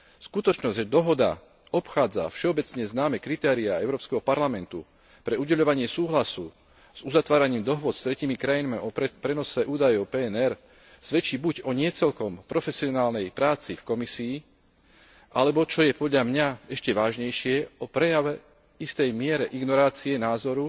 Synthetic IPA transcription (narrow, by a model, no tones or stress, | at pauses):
skut̪ɔt͡ʃnɔzɟʒɛd̪ɔɦɔd̪a̰ | ɔpxaːd͡za̰fʃɛɔbɛt͡sɲɛznaːmɛkɾit̪ɛːɾiaɛʊɾɔːpskɛɦɔpaɾlamɛnt̪u | pɾɛuɟɛʎɔʋaɲɪɛsuːɦlasu | z̥uzat̪ʋaːɾaɲiːmd̪ɔɦʊɔt͡sst̪ɾɛciːmikɾajinmiɔpɾɛnɔsɛʔuːd̪ajɔʊpɛːɛnɛɾ | z̥ʋɛt͡ʃiːbuɟɔɲɪɛt͡sɛlkɔmpɾɔfɛsiɔnaːlnɛjpɾaːt͡sifkɔmisiː | ʔalɛbɔt͡ʃɔjɛpɔd̪ʎamɲaɛʃcɛʋaːʒɲɛjʃɪɛɔpɾɛjaʋɛ | ist̪ɛjmɪɛɾɛʔiɡnɔɾaːt͡siɛnaːzɔɾu